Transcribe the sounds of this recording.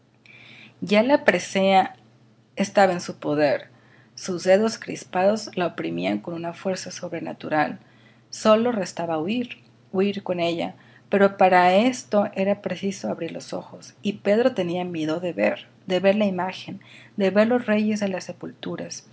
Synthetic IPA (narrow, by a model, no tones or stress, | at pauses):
ɟ͡ʝalapɾesea | est̪aβaensupo̞ðe̞ɾ | suzðe̞ðo̞skɾḭspaðo̞zlaopɾimiaŋko̞nunafwe̞ɾsaso̞βɾe̞na̰t̪uɾal | so̞lo̞re̞st̪aβauiɾ | uiɾko̞ne̞ʝa̰ | pe̞ɾo̞paɾae̞st̪o̞ʔe̞ɾapɾe̞siso̞aβɾiɾlo̞so̞̰xo̞sipe̞ðɾo̞t̪e̞niamje̞ðo̞ðe̞βeɾ | d̪e̞βe̞ɾlaimaxe̞nd̪e̞βe̞ɾlo̞zre̞ʝe̞zðelase̞pult̪uɾas